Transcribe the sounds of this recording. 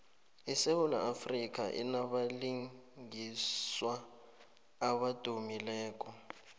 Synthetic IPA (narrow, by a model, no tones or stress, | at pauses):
isehula̰afrik̬ʼa̰ʔḭnaβaliŋɡiswaː | βad̥ʱumilɛːkʼɔ